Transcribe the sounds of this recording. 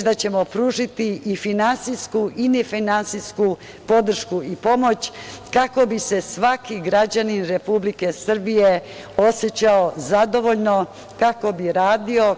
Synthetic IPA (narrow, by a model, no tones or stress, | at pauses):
d̪at͡ɕe̞mo̞pɾuːʒit̪iifinansiskuʔinefinansisku | po̞d̪r̩ʃkuipo̞mo̞t͡ɕkako̞bise̞sʋakiɡɾad͡ʑaninɾe̞publike̞sr̩bije | o̞sjet͡ɕaozad̪o̞ʋo̞ʎno̞ | kako̞biɾaːd̪io̞